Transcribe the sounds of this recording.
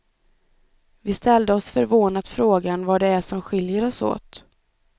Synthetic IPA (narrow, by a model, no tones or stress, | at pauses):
vɪst̪ʰɛld̪əɔsfœɾvoːnat̪fɾoːɡanvaɖɛæʂɔmɧɪljəɾɔso̰ːt̪